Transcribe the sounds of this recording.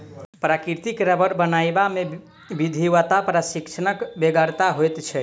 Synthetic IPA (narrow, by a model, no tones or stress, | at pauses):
pɾakiɾt̪ikɾəbəɾbənajbame | bid̪ʱiwət̪apɾasikʃʰənəkbeɡaɾt̪aɦojt̪t͡ʃʰɛ